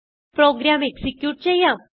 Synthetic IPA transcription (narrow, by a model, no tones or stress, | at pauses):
pɾoɡɾameksikjuːʈ̚t͡ɕejã